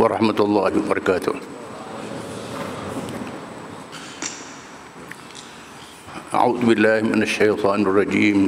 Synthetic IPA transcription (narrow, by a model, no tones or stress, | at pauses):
wɑɾˤɑ̰ħmat̪ɑlˤːɑːhwɑbɑɾˤɑkaːt̪ʊ̰h | ʔa̰ʕuːðbɪlːaːhmɪnaʃːajt̪ˤɑːnɑrˤːɑd͡ʒiːm